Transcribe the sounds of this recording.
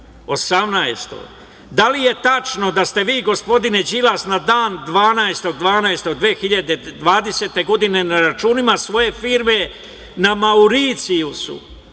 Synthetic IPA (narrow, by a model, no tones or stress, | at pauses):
o̞samnaest̪o̰ɡ | d̪alije̞t̪at͡ʃno̞d̪ast̪e̞ʋiːɡo̞spo̞d̪ine̞d͡ʑilasnad̪aːnd̪ʋaːnaest̪o̞ɡd̪ʋaːnaest̪o̞ɡd̪ʋeːxiʎad̪e̞d̪ʋaːd̪e̞se̞ːt̪e̞ɡo̞d̪ine̞naɾat͡ʃuːnimasʋo̞je̞fiːɾme̞ | namauɾit̪sijusṵ